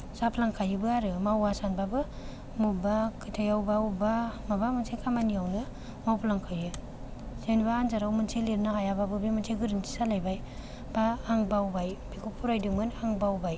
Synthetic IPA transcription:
sapʰlaŋkʰajɯbɯaɾɯmawasanbabɯ | mubakʰɯtʰajawbawubamabamɯnsʰekʰamaniawnɯ | mawpʰlaŋkʰajɯ | senbaːnzaɾawmɯnsʰeleɾnaɦajababɯbimɯnsʰeɡɯɾintʰi̥salajbaj | b̥aːŋbawbajbikʰupʰuɾajdɯŋmɯnaŋbawbaj

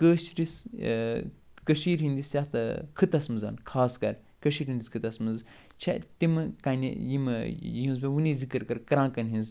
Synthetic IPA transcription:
kəːʃɾis | kɐʃiːɾɦĩnd̪isʲjat̪ɐkʰɨt̪ɐsmɨza̰ːnkʰaːskɐɾ | kɐʃiːɾɦind̪iskʰɨt̪ɐsmɨz | t͡ʃʰet̪imɨkanḭjimɦũnzbeʋunizikɨɾkɐɾkɐɾãːkɐnɦĩnz

